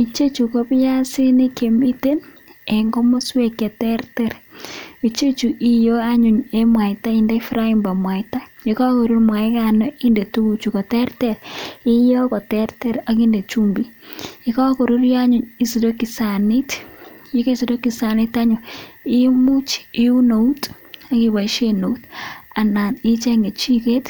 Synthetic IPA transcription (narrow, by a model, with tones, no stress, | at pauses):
i˨t͡ʃe˦t͡ʃu˨ko˦pja˦si˦ni˦ke˨mi˦te˦n | e˨ŋɡo˦mo˦swe˦ke˨tɛ˦ɾtɛ˨ɾi˨t͡ʃe˦t͡ʃu˨ʔi˨jo˦a˦ɲu˨ɲe˦mwa˨ta˦i˨nde˦fɾa˦i˨mba˨mwa˨ɪta˦jika˦ko˨ɾu˦ɾmwa˨ɪ˦ka˨nɔ˦ʔi˦nde˨tu˦u˨t͡ʃu˨kɔ˨tɛ˦ɾtɛɾi˦jo˦kɔ˨tɛ˦ɾtɛ˦ɾa˨ki˦nde˨t͡ʃu˦mbi˨i˦ka˦ko˨ɾu˦ɾja˦ɲuɲi˨si˨do˦ki˨sa˨ni˦tji˦ke˦si˨do˦ki˨sa˨nɪ˦ta˦ɲɔ˨i˦mu˦t͡ʃi˦u˦no˨u˦t | a˦ki˨ba˨i˦ʃeno˨u˦ta˨na˨ni˦t͡ʃe˦ŋɡe˨t͡ʃi˦ke˦t